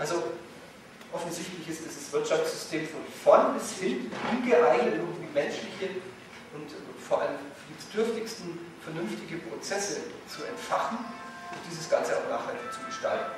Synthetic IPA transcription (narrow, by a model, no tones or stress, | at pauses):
ʔalzo | ʔɔfn̩zɪçtlɪçɪstd̥ɪsasv̥ɪɐtʃaft͡sz̥ʏstʰeːmfɔnfɔnɛshɪlftʔʊnɡəʔaɪɡnətʔɪʊɡŋ̩tviːmɛnʃlɪçə | ʔʊntʊfoːɐʔaləmfd̥isd̥ʏɐftɪçstn̩fɛɐnʏnftɪɡəpʁ̥ot͡sɛsət͡suɛ̰ntfaχn̩ | ʔʊmd̥iːzəsɡ̥ant͡səa̰ʊxnaːχhaltɪçt͡suɡəʃta̰ltn̩